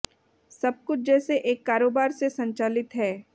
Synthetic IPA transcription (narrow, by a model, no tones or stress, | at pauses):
sɐb̚kʊt͡ʃʰd͡ʒɛːseʔeːkːaːɾoːbaːɾsesɐ̃ɲt͡ʃaːlɪt̪ɦɛː